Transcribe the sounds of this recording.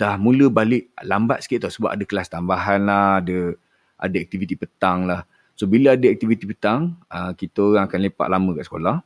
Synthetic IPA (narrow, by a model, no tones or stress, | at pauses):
d̥ahmũləbalɪʔlamba̰t̪̚sə̥kieʔt̪ɔsəba̰padəkəlast̪ambaɦanlahadə | a̰dəak̚t̪ivit̪ipət̪aŋlah | sobiləadəak̚t̪ivit̪ipət̪aŋəkit̪əoɣaŋakanlepa̰ʔlamə̃kaʔsə̥kolah